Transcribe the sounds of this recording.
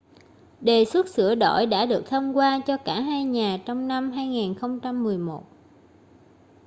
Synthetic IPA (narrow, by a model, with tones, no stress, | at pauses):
ɗe˨˩swə˦˥t̚sɨ̰˧˩əɗo̰˧˩jɗa̰ː˧˥ɗɨ˨˩ək̚t̪ʰə˧wŋ͡mkwaː˧t͡ɕɔ˧kaː˧˩ɦaː˧jɲaː˨˩t͡ɕɔ˧wŋ͡mna˧mɦaː˧jŋaiː˨˩nxə˧wŋ͡mt͡ɕa˧mːɨ˨˩əjmo˨˩t̚